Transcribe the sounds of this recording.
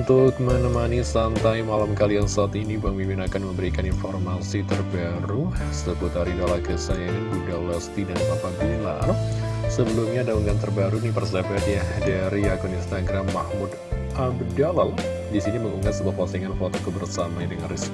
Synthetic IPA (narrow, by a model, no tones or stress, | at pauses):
unt̪ʊk̚mənəmanisant̪ajmalamkalijaŋsaat̪inibəŋmiminakanməmbəɾikaninfɔrmasit̪ərba | ɾusəput̪aɾidalaɡəsajadudalɛst̪idanapabila̰ | səbəlumɲadauŋant̪ərbaɾunipərs̬abɛt̪jadaɾiakʊninst̪aɡɾamːahmud | ʔabdalal | disiɲaməŋuŋat̪̚səbuahpasiŋanfot̪okəbərsamaidəŋanris